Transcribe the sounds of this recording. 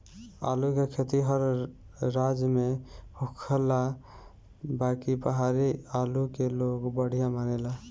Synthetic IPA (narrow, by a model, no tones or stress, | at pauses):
a̰lukekʰet̪iɦəɾ | ɾad͡ʒmehukʰəla | bakipəɦaɾialukeloɡbəɽ̤ijamanela